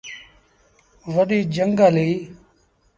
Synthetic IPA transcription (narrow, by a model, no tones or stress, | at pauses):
ʋəɗiːd͡ʒəŋɡaːliː